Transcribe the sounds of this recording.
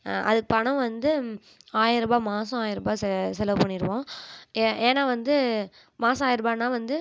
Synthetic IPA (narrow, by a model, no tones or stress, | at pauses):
ɐ̰ðɯkːɯpɐɳɐ̃ʋɐnd̪ɯ | aːjɪɾɯbaːmaːsɐ̃aːjɪɾɯbaːsɛsɛlɐʋpɐɳːɪɾɯʋõː | ʔeːnːaːʋɐnd̪ɯ | maːsɐ̃aːjɪɾɯbaːnaːʋɐnd̪ɯ